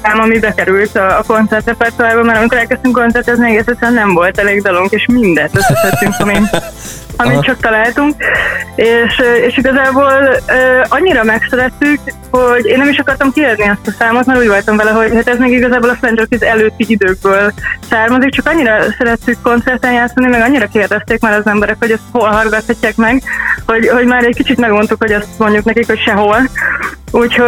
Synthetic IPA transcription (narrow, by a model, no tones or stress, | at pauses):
amɒmibɛkɛɾylt̪ɒːko̞nt̪sɛrt̪rɛpɛrt̪uːɾjabɒmɛɾɒmikoɾɛlkɛst̪yŋko̞nt̪sɛrt̪ɛzniɛɡeːsɛt̪lɛnːɛɱvo̞lt̪ɛleːɡd̪ɒloŋkeːʃmind̪ɛnt̪øsɛt̪hɛt̪ːyŋkɒmi | ɒmmitt͡ʃɒk̚t̪ɒlaːlt̪uŋkeːʃeːʃiɡɒzaːboːløːɒɲːiɾɒmɛksɛɾɛt̪ːyk | ho̞ɟeːnːɛmiʃɒkɒrt̪ɒmkierniɛst̪ɒsaːmo̞t̪maɾuːɟvolt̪ɒmvɛlɛɦo̞ɟhat̪ɛzmeːɡiɡɒzaːbolɒflɛnd͡ʒɾokizɛløːt̪ːiid̪øːɡ̚bøːlsaːrmɒzik̚t͡ʃɒkɒɲːiɾɒsɛɾɛt̪ːykːo̞nt̪sɛrt̪ɛnjaːt̪sːɒnimɛɡɒɲːiɾɒkeːrd̪ɛst̪eːkmaːɾɒzɛmbɛɾɛkho̞ɟɛst̪ho̞lɦɒrɡɒt̪hɒcːaːkmɛɡho̞ɟho̞ɟmaːɾɛckit͡ʃit̪mɛɡo̞nt̪ukho̞ɟɛst̪mo̞ɲɟuknɛkikho̞cʃɛɦo̞l | uːcho